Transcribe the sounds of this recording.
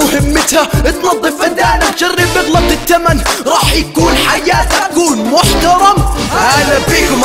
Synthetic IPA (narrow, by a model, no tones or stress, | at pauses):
ʊhɪmːɪt̪haʔɪt̪nɑd̪ˤːɨfʔad̪aːnat̪d͡ʒarːɪbɪɣlɑb̚ˤɪt̪ːamanɾˤɑːħjakuːnħajaːt̪kuːnmʊħt̪ɑɾˤɑmwʔaːðabiːkm